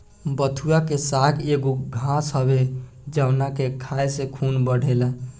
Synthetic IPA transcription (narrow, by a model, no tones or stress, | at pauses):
bət̪ʰuakesaɡeɡoɡʱãsɦəbe | d͡ʒawnakekʰajsẽkʰunbəɽ̤ʱel